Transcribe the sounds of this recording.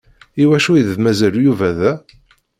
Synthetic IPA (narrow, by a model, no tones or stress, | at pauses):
iwæʃujððmæzæljuvæðæ